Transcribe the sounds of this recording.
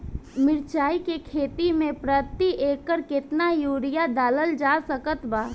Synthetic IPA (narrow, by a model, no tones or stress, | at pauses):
mɪɾt͡ʃaːikekʰeːt̪imẽpɾət̪ːiʔeːkːəɾkɪt̪najuːɽɪjad̪aːləld͡ʒaːsəkət̪baː